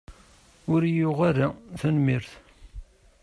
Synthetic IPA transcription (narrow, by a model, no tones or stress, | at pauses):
ʊɾjʊʁaɾaθənmiɾθ